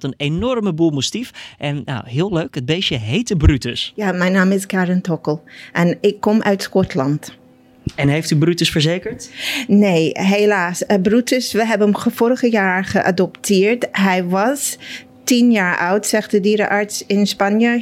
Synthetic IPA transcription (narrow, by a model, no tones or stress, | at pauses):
tənenɔrməbumustifʔɛnna̰whɪːlˠøɥkəd̚beːsjəɦejtəbrytəsjaːmɛjnaːmɪskaɹɪntʰɔkəlˠʔɛnɪkʰːɔmʔœ̰ɥtskɔtʰlɑnt | ɛnɦejftybrytəsfəɹzeːkəɹtneːɦelaːsəbrutʰəsʋəɦɛbəəmχəfoːɾəχəjaːɹχəʔa̰dɔptʰɪːɹtɦɛjʋɑs | tinjaːɹʔawtsɛxt̚dədiːɾə̰ʔaɹtsɪnspanjə